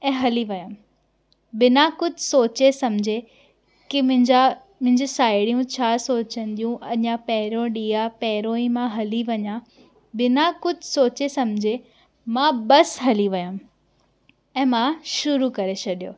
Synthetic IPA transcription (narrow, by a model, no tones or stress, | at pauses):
ɛ̃ːɦɐliʋɐjã | bɪnakʊd͡ʑʱsoːt͡ɕesɐmd͡ʑʱe | kimʊ̃ɪ̃d͡ʑa | mʊ̃ɦɪ̃ɲd͡ʑesaːɪɽijũt͡ɕʰaːsoːt͡ɕə̃nd̪ijũʔɐʄãpɛɦɪɾõɗiːapɛɦɪɾoːĩmãɦɐliʋɐɲã | bɪnakʊd͡ʑʱsoːt͡ɕesɐmd͡ʑʱe | mãbɐsɦɐliʋɐjãm | ɛ̃ːmãʃʊɾukɐɾet͡ɕʰɐɗijoː